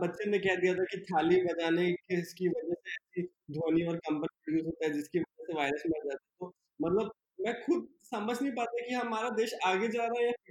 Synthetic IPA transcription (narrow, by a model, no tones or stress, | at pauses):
bɐtːʃenẽkɛɦd̪ijat̪ʰakit̪ʰaːliːmːed͡ʒ̪aːnekeskiʋɐd͡ʒɛseɛːsi | d̪ʱoːniɔːɾkɐ̃mpənipɐɾjuːzɦoːt̪aɦɛd͡ʒɪskiʋɐd͡ʒɛseʋaːɪɾəsmɪld͡ʒaːt̪aɦɛt̪o | mɐt̪ləb̚ | mɛ̃ːxʊb̪̚sɐməd͡ʒʱnɐɦĩpaːt̪akiɦɐmaːɾad̪eːʃaːɡed͡ʒaːɾaːɦɛjafɪ